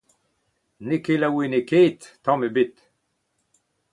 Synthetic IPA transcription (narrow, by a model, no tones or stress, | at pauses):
nekelawenekeːt̪ːɑ̃mebit̪